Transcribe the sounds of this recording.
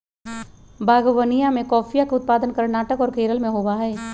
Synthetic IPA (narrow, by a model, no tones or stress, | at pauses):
bʱaːɡwənijãmẽkɔːpʰijakeʊt̪̚paːd̪ənkəɾnaːʈəkɔːɾkeːɾəlmẽɦoːbaɦɛː